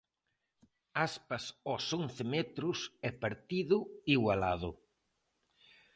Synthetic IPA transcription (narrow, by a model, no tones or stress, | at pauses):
aspɐsɔsonθɪmɛt̪ɾʊsɛpaɾt̪iðʊiɣwalaðʊ